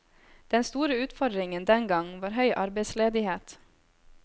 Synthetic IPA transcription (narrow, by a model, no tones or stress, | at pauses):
d̪̥ɛnst̪uːɾəʉːt̪fɔɖ̪ɾɪŋənd̪ɛnɡɑŋʋɑːɾɦœʏʔɑɾbɛɪsleːd̪ɪheːt̪